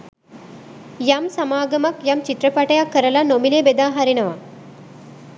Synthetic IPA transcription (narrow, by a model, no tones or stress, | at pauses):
jamsɐmaːɡɐmakjamt͡ʃit̪ɾəpaʈɐjakːəɾəlanomilebed̪aːɦaɾinɐʋa